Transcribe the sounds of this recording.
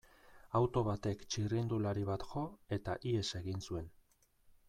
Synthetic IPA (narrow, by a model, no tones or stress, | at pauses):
awt̪o̞βat̪e̞kt͡ʃirind̪ulaɾiβ̞at̪ʝo̞e̞t̪aʔie̞se̞ɣinsue̞n